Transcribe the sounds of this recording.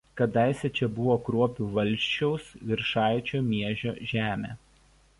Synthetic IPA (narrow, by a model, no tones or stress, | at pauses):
kɐd̪ɐˑɪsʲɛt͡ʃʲɛbʊʋoːkɾuɔpʲuːʋɐlʲˑʃʲt͡ʃʲɛʊsʋʲɪɾʃɑˑɪt͡ʃʲoːmʲiɛʒʲo̰ːʒʲæːmʲḛː